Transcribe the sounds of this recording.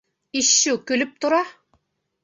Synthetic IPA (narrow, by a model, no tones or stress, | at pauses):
iʃːʉkylɘp̚t̪ŏɾɑ